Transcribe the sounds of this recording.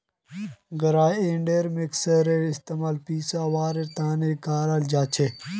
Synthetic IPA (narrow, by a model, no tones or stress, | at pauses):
ɡɐɾaːjeːɳɖeːɾmiksɐɾeist̪emaːlpiːsaːwaːɾeɾt̪aːnekaːɾald͡ʒaːt͡ɕʰe